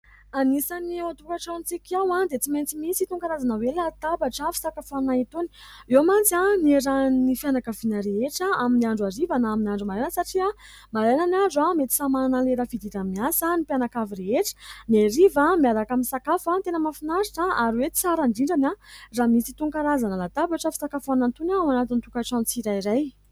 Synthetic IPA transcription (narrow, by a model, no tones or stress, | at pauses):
anisaniat̪ukaʈ͡ʂawnt͡sikʲawad̪et͡siment͡simisit̪uŋkaɾazanəwelat̪abaʈ͡ʂafi̥sakafanait̪uni̥ | ewamant͡saneɾanifjanakavinəɾeeʈ͡ʂaaminiaɳɖ͡ʐuaɾivanaminaɳɖ͡ʐumalanəsaʈ͡ʂia | malajnanaɳɖ͡ʐuamet̪i̥samananaleɾafid̪iɾamiasanipjanakaviɾeeʈ͡ʂə̥neɾivamiaɾakaminsakafat̪enəmafinaɾi̥ʈ͡ʂaaɾwet͡saɾaɳɖ͡ʐiɳɖ͡ʐanaramisit̪uŋkaɾazanəlat̪abaʈ͡ʂafi̥sakafanant̪unawanat̪int̪ukaʈ͡ʂant͡siɾajiɾaj